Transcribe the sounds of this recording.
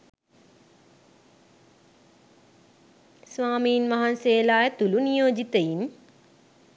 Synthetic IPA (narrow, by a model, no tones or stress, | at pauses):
sʋaːmiːnʋaɦanseːlaːjət̪ulunijoːd͡ʒit̪əin